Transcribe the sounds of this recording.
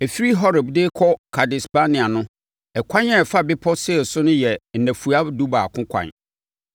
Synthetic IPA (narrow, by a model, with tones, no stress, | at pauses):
ɛ˨fi˦ɾi˦ɦɔ˦ɾɛ˨bdeː˦kʰɔ˦kʰa˨dɪ˨spa˦nɪ̃˨a˨nʊ̃˦ | ɛ˨kʷʰã˦ɲɛ˦˨fa˦bɪ˦pʰɔ˦sɪ˦˨sʊ˦nʊ̃˦jɛ˨n̩˨nɛ̃˨fu˨a˦du˦baː˨kʰʊ̃˦kʷʰã̰˨n